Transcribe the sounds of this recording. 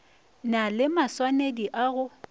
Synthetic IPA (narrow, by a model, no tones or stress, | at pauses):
nalɪmaswanediʔaɣʊ